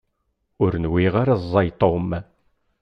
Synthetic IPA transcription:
ʊɾnwiʁaɾazˤːɑjt̪ˤːom

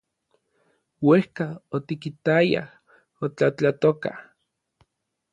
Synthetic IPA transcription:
wehkaot̪ikit̪aja̰h | ot͡ɬat͡ɬat̪oka̰

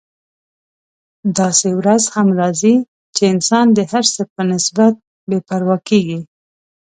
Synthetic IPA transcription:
d̪ɑsewɾazhamɾɑzi | t͡ʃeɪnsɑnd̪əhaɾsəpənɪsbat̪̚ | bepaɾwɑkeɡi

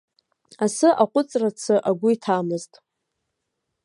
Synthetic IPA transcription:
asɨʔaqʷʼʊt͡sʼrat͡sʰɨʔaɡʷʊitʰamɨztʼ

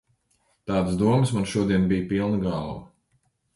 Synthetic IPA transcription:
t̪ɑːd̪sd̪uɔmɨsmanʃuɔd̪iɛnbijpilˠnɐɡɑːlˠwɐ

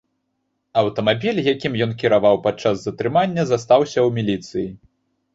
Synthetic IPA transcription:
ɐwt̪ɐmabʲilʲjakʲimjɔnkʲiɾavawpat̪̚t͡ʂazːɐt̪ɾɨmanʲːɐzast̪awsʲɐwmʲilʲit̪sɨji

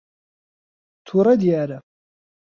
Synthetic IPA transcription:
t̪ʰuɾɐd̪ijaːɾɐ

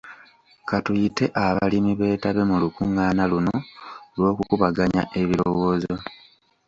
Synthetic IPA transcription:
katujite̞ʔaβalimiβe̞ːtaβe̞mulukuŋaːnalunolwo̞ːkukuβaɡaɲa̰ʔe̞βiɾo̞wo̞ːzo̞

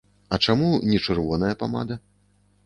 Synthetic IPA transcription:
ɐt͡ʂamunʲɛt͡ʂɨrvɔnɐjɐpama̰d̪ɐ

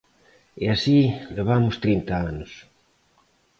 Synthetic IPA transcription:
easileβamʊst̪ɾint̪aanʊs

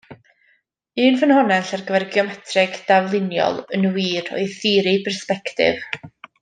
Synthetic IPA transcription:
ɨːnvənhɔnɛɬarɡəvɛrɡiɔmɛtʰrɪɡd̥avlˠɪnjɔ̰lˠənəwiːdɔ̰jθiːɾipʰɛrspɛktɪ̰v̥

